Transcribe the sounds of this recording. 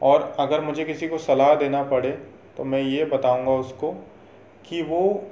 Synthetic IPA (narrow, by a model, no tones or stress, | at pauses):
ɔːɾɐɡəɾmʊd͡ʒʱekɪsikosɐlaːɦd̪eːnapɐɽe | t̪omɛ̃ːjebɐt̪aːũːŋɡaʊsko | kiʋo